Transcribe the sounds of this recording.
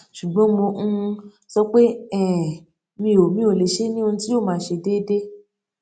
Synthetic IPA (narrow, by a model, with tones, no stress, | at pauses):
ʃu˨ɡ͡bɔ̃˨˦mõ˧ | sɔ˧k͡pe˦ɛ˦˨ | mĩ˧o˨mĩ˦o˨le˨ʃe˦nĩ˦o˧nũ˧ti˦joː˦˨mãː˨˦˨ʃe˧de˦de˦